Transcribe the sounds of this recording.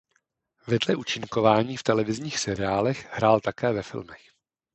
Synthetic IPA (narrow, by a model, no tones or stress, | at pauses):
vɛdlɛʔut͡ʃɪŋko̞vaːɲiːft̪ɛlɛvɪzɲiːxsɛɾɪaːlɛxhɾaːlt̪akɛːvɛfɪ̰lmɛx